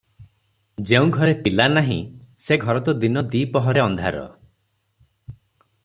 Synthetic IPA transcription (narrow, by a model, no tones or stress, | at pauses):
d͡ʒeũɡʱɔɾepilanaɦḭ̃seɡʱɔɾɔt̪ɔd̪inɔd̪iːpɔɦɔɾeɔnd̪ʱa̰ɾɔ̰